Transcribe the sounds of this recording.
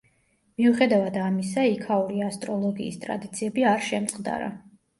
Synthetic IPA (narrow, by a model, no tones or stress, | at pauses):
miuχɛd̪avad̪amis̬aikʰauɾiast̪ʼɾɔlˠɔɡḭːst̪ʼɾa̰d̪it̪sʰiɛbiaɾʃɛmt̪sʼqʼd̪a̰ɾa̰